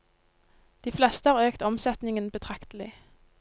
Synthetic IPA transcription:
d̪̥iːflɛst̪əhɑːʁøːkt̪ɔmsɛt̪nɪŋənbət̪ʰʁɑkt̪əl̩ɪ

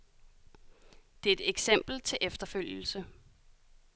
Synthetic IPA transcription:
d̥e̝æe̝d̥eɡ̥sem̰b̥l̩t͡sʰe̝ʔefd̥ɐføl̰jl̩sə

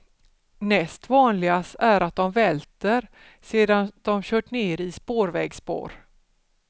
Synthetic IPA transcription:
nɛst̪vɑːnlɪɡasæɾat̪̚d̪ɔmvɛlt̪əɾ | seːd̪and̪ɔmɕœːʈɳeːɾɪspoːɾvɛːɡspo̰ːɾ

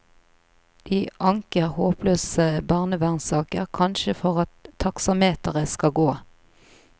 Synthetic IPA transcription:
d̪̥iːʔɑŋkəʁhoːpløːsəbɑʁnəʋæʁnsɑːkəʁkʰɑnʃəfɔʁɑt̪ʰːɑksɑmeːt̪əʁəskɑɡoː

